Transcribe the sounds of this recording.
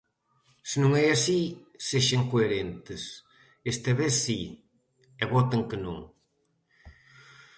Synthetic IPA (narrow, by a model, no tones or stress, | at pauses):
sɪnũŋɛasi | seʃɐŋkoeɾent̪ɪs | est̪ɐβeθsi | ɛβɔt̪ɐŋkɪnõ̰ŋ